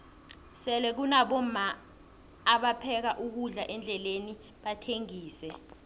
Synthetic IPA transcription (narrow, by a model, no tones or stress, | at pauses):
sɛlɛk̬unaɓɔmaː | ɓapʰɛk̬aʔuk̬uɮaʔɛnd͡ɮʱɛleni | ɓatʰeŋiːsɛ